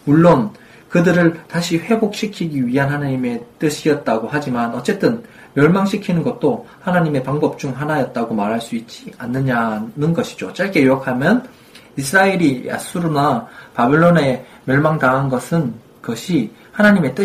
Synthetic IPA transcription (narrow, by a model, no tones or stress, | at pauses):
muɭːon | kɯdɯɾɯɭtaɕʰiɸwe̞bok̚ɕ͈ikʰiɡiɥiɦanhanaɲime̞t͈ɯɕʰiʌt̚t͈aɡohad͡ʑimanʌt͡ɕ͈e̞t͈ɯn | mjʌɭmaŋɕʰikʰinɯnɡʌt̚t͈ohanaɲime̞paŋbʌp̚t͡ɕ͈uŋɦanajʌt̚t͈aɡomaɾɦaɭs͈uit̚t͡ɕ͈ianːɯɲanɯnɡʌɕʰi̥d͡ʑot͡ɕ͈aɭk͈e̞joʌkʰamjʌn | isʰɯɾaeɾija̰s͈ʰuɾunapabeɭːone̞ | mjʌɭmaŋdaɦːnɡʌsʰɯn | kʌɕʰi | hanaɲime̞t͈ɯ